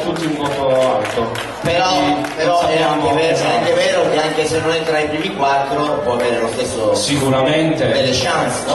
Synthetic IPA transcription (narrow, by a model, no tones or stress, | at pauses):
t̪ut̪ːiuŋɡot̪oalt̪o | peɾɔpeɾɔaamɛvɛsaŋkevɛːɾok̟eaŋkesenːonɛnt̪ɾaipɾiːmikwat̪ːɾopwɔaveːɾelost̪esːosikuɾament̪ed̪elːeʃant̪snɔ